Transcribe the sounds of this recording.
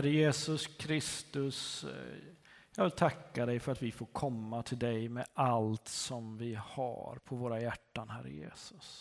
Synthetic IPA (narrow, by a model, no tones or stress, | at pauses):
æɾəjeːsɵskʰɾɪst̪ɵs | jɑːɡvɪlt̪ʰakːad̪ɛjfœɾat̪vɪfoːɾkʰɔmːat̪ʰɪld̪ɛjmɛalt̪sɔmvɪha̰ɾpʰɔvoːɾajæʈːanhæɾə̰jḛːsɵ̥s